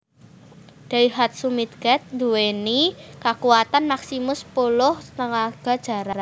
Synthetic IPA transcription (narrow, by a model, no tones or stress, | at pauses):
d̥a̤iɦat̪̚sumit̪̚ɡ̥ɛt̪̚d̪uwenikakuat̪anmaksimʊspulʊhnəŋaɡ̥a̤d̥ʒ̥a̤ɾaɾa